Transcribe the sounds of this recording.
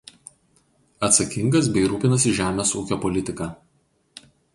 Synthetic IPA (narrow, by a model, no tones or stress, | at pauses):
ɐt̪sɐkʲɪŋɡɐs̬bʲɛɪɾuːpʲɪnɐs̬ʲɪʒʲæːmʲeːsuːkʲoːpɔlʲɪt̪ʲɪkɑː